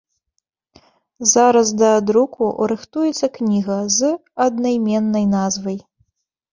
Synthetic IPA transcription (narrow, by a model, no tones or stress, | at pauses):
zaɾɐsd̪ɐd̪ɾukʰṵɾɨxt̪ujɛt̪sːɐknʲiɣɐzɐd̪najmʲɛnːɐjnazvɐj